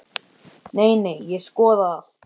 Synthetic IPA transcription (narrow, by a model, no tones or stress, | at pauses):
neːjnejjɛskɔːðaaθ